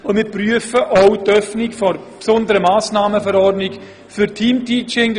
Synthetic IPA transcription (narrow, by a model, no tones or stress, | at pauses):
ʊndmɪːɾpryəfəʔɔʊtœfnɪkfɔrpsʊndəɾəmaːsnaːməfɛɾɔrdnɪk | fyɾtʰiːmtʰiːt͡ʃɪŋ